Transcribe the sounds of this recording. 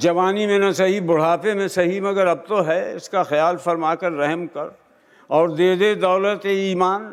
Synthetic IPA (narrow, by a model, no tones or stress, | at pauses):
d͡ʒɐʋaːnimẽnɐsɐɦibʊɽ̤aːpemẽsɐɦimɐɡəɾɐb̚t̪oɦɛɪskaxɪjaːlfɐɾmaːkɐɾːɛɦɛmkɐɾ | ɔːɾd̪eːd̪ed̪ɔːlət̪eiːmaːn